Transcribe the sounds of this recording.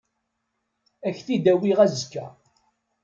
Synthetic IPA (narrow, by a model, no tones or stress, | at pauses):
æçθid̪æwiʁæzkːæ